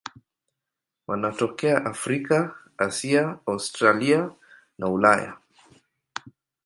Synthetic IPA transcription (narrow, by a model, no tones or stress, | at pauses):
wanatɔkɛaʔafɾika | asiaaustɾalia | naulaja̰